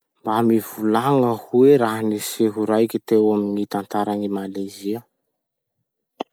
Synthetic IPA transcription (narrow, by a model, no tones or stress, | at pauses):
mbamivulaŋəhueɾaɦaniseɦuɾajkʲit̪ewaminit̪ant̪aɾanimalajziə